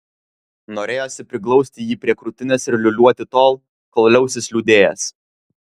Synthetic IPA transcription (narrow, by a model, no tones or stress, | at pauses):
noːɾʲeːjoːsʲɪpʲɾʲɪklˠɔʊsʲt̪ʲɪjiːpʲɾʲiɛkɾʊt̪ʲɪnʲɛsɪɾʲlʲʊlʲuɔt̪ʲɪt̪oːlˠ | kɔlʲˠlʲɛʊsʲɪslʲud̪ʲeːjɛs